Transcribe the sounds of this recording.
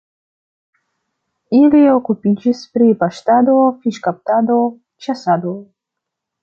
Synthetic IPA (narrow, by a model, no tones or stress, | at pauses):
iliokupid͡ʒispɾipaʃt̪ad̪ofiʃkap̚t̪ad̪o | t͡ʃasad̪o